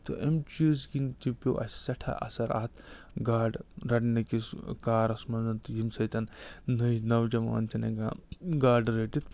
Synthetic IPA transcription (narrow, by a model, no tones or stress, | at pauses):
t̪o̰ʔemt͡ʃiːzɡint̪ipʲoʔɐ̰ssɐʈʰa̰ʔɐ̰sɐɾa̰ːt̪ʰ | ɡaːɖɾɐʈnɐkiskaːɾɐsmɐnzɐnt̪jimsɐjt̪ɐnnɐnɐwd͡ʒɐma̰ːnt͡ʃʰɐnḛɡaɡaːɖɾɐʈit̪